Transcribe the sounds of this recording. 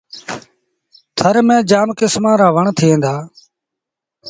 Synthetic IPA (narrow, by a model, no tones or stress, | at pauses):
t̪ʰəɾmẽːd͡ʒaːmkɪsmãːɾaːʋəɳt̪ʰɪẽːnd̪aː